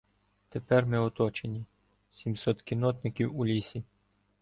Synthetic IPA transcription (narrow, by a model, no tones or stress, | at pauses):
t̪epɛrmɪɔt̪ɔt͡ʃenʲi | sʲimsɔt̪kʲinɔt̪nɪkʲiwulʲisʲi